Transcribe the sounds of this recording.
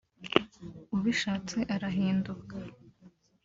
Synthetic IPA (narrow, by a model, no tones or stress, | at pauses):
uβiʃaːt͡seʔaɾaɦiːnduka